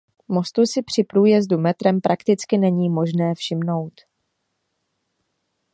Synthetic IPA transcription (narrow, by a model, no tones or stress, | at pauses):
mo̞st̪usɪpr̝̥ɪpɾuːjɛzdumɛt̪ɾɛmpɾʔakt̪ɪt͡skɪnɛɲiːmo̞ʒnɛːfʃɪmno̞wt̪